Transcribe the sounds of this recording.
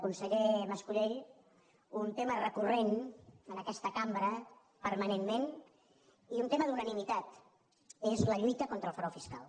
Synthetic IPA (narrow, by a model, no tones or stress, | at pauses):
kunsəʎeməskuɾeʎ | unt̪emərəkurenənəkɛst̪əkambɾə | pəɾmənemmen | iunt̪eməðunənimit̪at̪ | ezləʎujt̪əkont̪ɾəlˠfəɾɔfiska̰lˠ